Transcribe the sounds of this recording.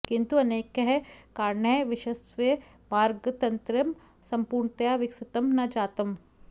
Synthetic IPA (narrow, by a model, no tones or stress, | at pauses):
kɪ̃nt̪uɐneːkɐɦɛkaːɾɳɐjʋɪʃɐsʋe | maːɾɡt̪ɐnt̪ɾɐm | sɐ̃mpuːɾɳt̪ɐjaːʋɪksɪt̪ɐmnɐd͡ʒaːt̪ɐm